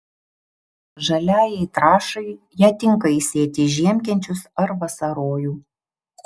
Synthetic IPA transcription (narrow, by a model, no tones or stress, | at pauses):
ʒɐlʲæːjɛɪt̪ɾɑːʃɐɪ | jæːt̪ʲɪŋkɐisʲeːt̪ʲɪʒʲiɛmʲkʲɛnʲt͡ʃʲʊsɐɾʋɐsɐɾoːjuː